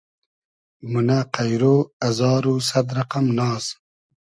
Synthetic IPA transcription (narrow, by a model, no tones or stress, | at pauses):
munaqajɾoːɐzɑːɾusɐd̪ɾɐqamnɑːz